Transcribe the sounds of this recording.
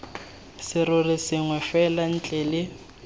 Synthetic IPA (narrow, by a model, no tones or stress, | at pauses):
sɪɾʊrɪsɪŋwɛfɛlan̩t͡ɬʼɛlɪ